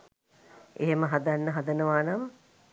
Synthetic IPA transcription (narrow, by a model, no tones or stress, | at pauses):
eɦeməɦad̪anːəɦad̪ənəʋaːnam